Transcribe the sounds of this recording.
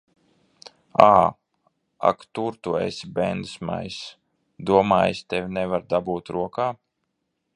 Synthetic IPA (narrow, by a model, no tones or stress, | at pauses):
aː | a̰kt̪uɾt̪uḛsʲibɛnd̪sma̰js | d̪uɔmaːjst̪ɛvʲnɛvaɾd̪abuːt̪ɾuɔkaː